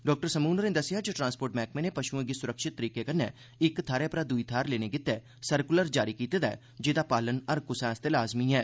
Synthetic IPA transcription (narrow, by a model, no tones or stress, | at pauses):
ɖɔːk̚ʈəɾsəmuːnəɾẽːd̪əsɪjaːd͡ʒəʈɾãːnspoːɾʈmɛːk̚mẽːneːpəʃuẽɡiːsʊɾəkʃɪt̪ːəɾiːkeːkənːeː | ɪkt̪ʰaːɾeːpɾaːd̪uiːt̪ʰaːɾleːneːɡɪt̪ɛː | səɾkʊləɾd͡ʒaːɾiːkiːt̪eːd̪aɛː | d͡ʒeːd̪aːpaːlənəɾkʊsɛːst̪eːlaːzmiːɦɛː